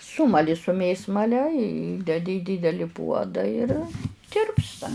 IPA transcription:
ˈsuːmɐlʲɪ sʊ ˈmʲeːsmɐlʲɛ ˈiːdʲɛdʲɪ iː ˈdʲiːdʲɛlʲɪ ˈpuɔdɐ ɪr ˈtʲɪrpstɐ

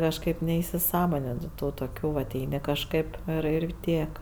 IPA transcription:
kɐʃˈkɐɪp nʲɛɪsʲɪˈsɑːmoːnʲɪnʲɪ ˈtuː toːˈkʲuː ʋɐt ˈɛɪnʲɪ kɐʃˈkɐɪp ɪr ɪr ˈtʲiɛk

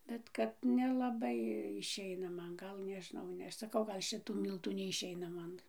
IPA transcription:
ˈbʲɛt ˈkɐt nʲɛlˠɐˈbɐɪ ɪʃʲˈɛɪnɐ ˈmɐn ˈɡɐlˠ nʲɛʒʲɪˈnɐʊ ˈnʲɛ ˈɐʃ sɐˈkɐʊ ɡɐlˠ ˈʃʲɪtuː ˈmʲiːlˠtuː nʲɛɪʃʲˈɛɪnɐ ˈmɐn

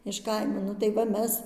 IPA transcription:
ɪʃ ˈkɐɪmoː ˈnʊ tɐɪ ˈʋɐ ˈmʲɛs

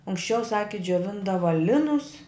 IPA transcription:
ɐŋksʲˈt͡ʃʲɛʊ ˈsɑːkʲɪ d͡ʒʲoːˈʋʲɪndɐʋɐ ˈlʲɪnʊs

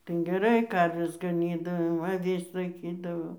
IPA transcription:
ˈtʲɛn ɡʲɛˈrɐɪ ˈkɐrʲʋʲɛs ɡɐˈnʲiːdɐʋoː ɐˈʋʲɪs lˠɐɪˈkʲiːdɐʋoː

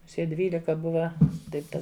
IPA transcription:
mʊˈsʲiɛ ˈdʲʋʲiːlʲɪkɐ ˈbʊʋɐ ˈtɐɪp ˈtɐ

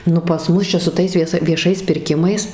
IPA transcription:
ˈnʊ pɐs ˈmʊs t͡ʃʲɛ sʊ ˈtɐɪs ʋʲiɛˈsɐ ʋʲiɛˈʃɐɪs pʲɪrʲˈkʲɪmɐɪs

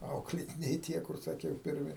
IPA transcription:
ˈɐʊklʲeːtʲɪnʲɛɪ ˈtʲiɛ kʊr sɐˈkʲɛʊ pʲɪrʲˈmʲɪ

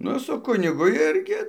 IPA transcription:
ˈnʊ sʊ ˈkʊnʲɪɡʊ ˈɪrʲɡʲɪ

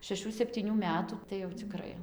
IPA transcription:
ʃʲɛˈʃuː sʲɛpʲtʲiːˈnʲuː ˈmʲæːtuː tɐɪ jɛʊ t͡sʲɪˈkrɐɪ

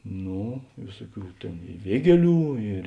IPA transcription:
ˈnoː ˈʋʲeːsʊˌkʲuː ˈtʲeːn ɪ ˈʋʲiɛɡʲiɛˌlʲuː ɪr

